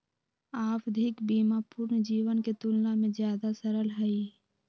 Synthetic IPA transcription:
aːpd̪ʱɪkbiːmaːpʊːɾnd͡ʒiːwənket̪ʊlnamẽzjaːd̪asəɾəlɦɛi

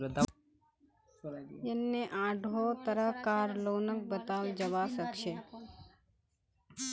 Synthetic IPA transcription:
d̪ | enːeʔãːɖʱot̪əɾəɦkaːɾloːnək̚bət̪aːld͡ʒəʋasəkʃe

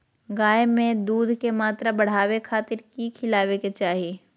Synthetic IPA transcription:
ɡaːemẽd̪uːd̪ʱkemaːt̪ɾabɐɽ̤aːwekʰaːt̪ɪɾkikʰɪlaːweket͡ʃaːɦie

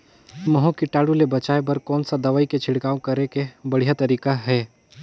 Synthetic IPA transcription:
mɐɦõkɪʈaːɽulebɐt͡ʃaːebɐɾkɔːnsad̪ɐʋaːiket͡ʃʰɪɽkaːõkɐɾekebɐɽ̤ijat̪ɐɾiːkaɦɛː

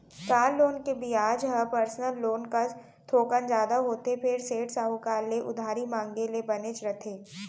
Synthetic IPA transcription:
kaːlːoːnkebʱiaːd͡ʒɦɐpəɾsnəlːoːnka | t̪ʰoːkənd͡ʒjaːd̪aɦoːt̪epʰɪɾseːʈsaːɦukaːlːeʔʊ̰d̪ʱaːɾimãːŋɡelebɐnet͡ʃɾɐt̪ʰeː

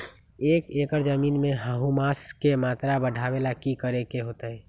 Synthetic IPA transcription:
eːkeːkəɾd͡ʒəmiːnmẽɦəɦũmaːskemaːt̪ɾabəɖʱawelakikəɾekeɦoːt̪əɦɛ

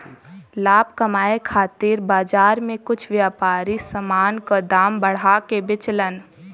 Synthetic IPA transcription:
laːb̚kɐmaːekʰaːt̪iːɾbaːd͡ʒaːɾmẽkʊt͡ʃʰʋjaːpaːɾisəmaːnkəd̪aːmbəɽ̤akebɪt͡ʃlən

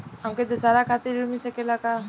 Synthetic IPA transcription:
əmked̪əsaɾakʰat̪iɾumisekelaka

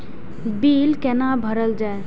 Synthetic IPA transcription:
biːlkɛnabʱəɾəld͡ʒaːe

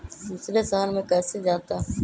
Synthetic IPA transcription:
d̪uːsɾesəɦənmẽkɛːsed͡ʒaːt̪aː

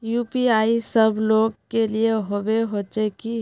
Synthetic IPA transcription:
juːpiaːisəbʱloːɡkelieɦobeɦoːt͡ʃeki

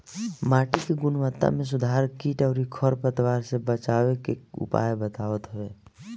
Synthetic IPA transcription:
maːʈikeɡʊnwət̪ːa̰mẽs̬ʊd̪ʱaːɾkiːʈɔːɾikʰɔɾpət̪waːɾsebət͡ʃaːwekeʊ̰pa̰ːjbət̪aːʋət̪ɦʊʋeː

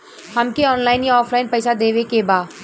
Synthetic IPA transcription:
hɐmkeɔːnlaːɪnjiɔːflaːɪnpɛːsad̪eːʋekebaː

